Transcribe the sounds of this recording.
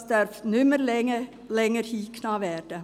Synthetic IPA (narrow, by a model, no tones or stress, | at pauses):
sd̥̪œɾftnʏməɾlɛə | lɛŋəɾhiːkʰnɑːʋɛːɾd̥ə